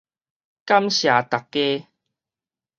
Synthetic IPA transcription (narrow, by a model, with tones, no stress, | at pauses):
ka˦mɕja˨˩t̪a˨˩kːe˦